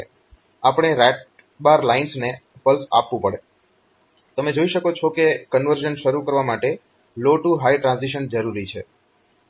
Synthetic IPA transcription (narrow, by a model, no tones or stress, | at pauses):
apɽ̃eɾɛʈ̚ | baɾlainsnepəlsa̰pʋũpəɽe | t̪əmed͡ʒoiʃəkot͡ʃʰokekənʋəɾd͡ʒənʃəɾukəɾʋamaʈe | loʈuɦaiʈɾãnsiʃ̬ənd͡ʒəɾuɾit͡ʃʰe